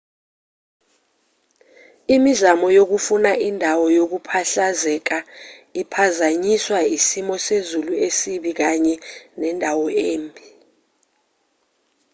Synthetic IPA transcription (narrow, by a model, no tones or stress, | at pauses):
imizamɔjok̬ufunaʔindʱawɔjok̬upʰaɬazɛk̬aipʰazaɲiswaisimɔsezuluesiɓik̬aɲɛnɛndʱawɔeːmbʱi